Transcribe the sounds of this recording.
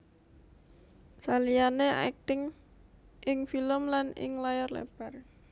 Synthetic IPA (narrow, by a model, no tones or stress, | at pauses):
salijanea̰ɛk̚t̪ɪŋ | ʔɪŋfiləmlanɪ̰ŋlajɔrlḛb̥ar